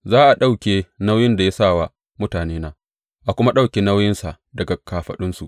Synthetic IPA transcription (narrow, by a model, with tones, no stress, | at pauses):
zaː˦ʔa˨ɗa˦wkʲeː˨na˦wjɪ˦nda˨ja˦sa˦˨wa˨ | mʊ˦taː˨neː˦naː˦ | ʔa˨kʷʊ˦ma˦ɗa˦wkʲeː˨na˦wjɪ˦nsa˨ʔ | dɐ˨ɡa˨kʰaː˨ɸɐ̰˦ɗɪ˦nsu˨ʔ